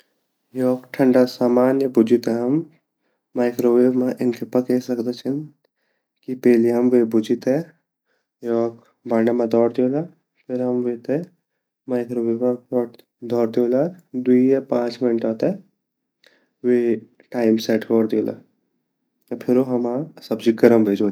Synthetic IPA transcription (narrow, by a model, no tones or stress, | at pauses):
jɔːkʈʰəɳɖasaːmaːnjəbʊd͡ʒɪt̪ɦɛɦɐmː | aːɪkɾoʋeːmaʔɪnkʰepɐkesɐkd̪et͡ʃʰɐn | kipɛːleɦɐmʋebʊd͡ʒɪt̪ɦɛ | jɔːk | baːɳamãd̪ɔːɽd̪ela | pʰɪɾɦɐmʋet̪e | maːɪkɾoʋeːbãɔːʈ | d̪ɔːɾd̪joːlad̪uiapãːt͡ʃmɪnəʈaːt̪ɛ | ʋe | ʈaːɪmsɛːʈkɔːɾd̪eola̰ | pʰɪɾoɦɐmasɐbd͡ʒiɡɐɾəmbʱeːd͡ʒoː